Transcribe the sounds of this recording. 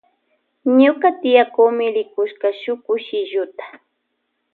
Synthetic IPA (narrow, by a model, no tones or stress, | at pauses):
ɲʊkat̪ɪjakuːmɪɾɪkʊʃkaʃʊkʊʃɪʒʊt̪ḁ